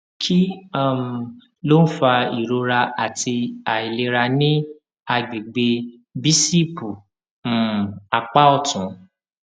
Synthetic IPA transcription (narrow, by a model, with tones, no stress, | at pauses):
kʰi˦a˦˨m˨ | lo˦n̩˦fa˧i˨ɾo˧ɾa˧a˨tʰi˧a˨i˨le˧ɾa˧nĩ˦ | a˧ɡ͡bi˨ɡ͡be˧ | bi˦si˦pũ˨ | a˨k͡pa˦ɔ˦˨tũ˨˦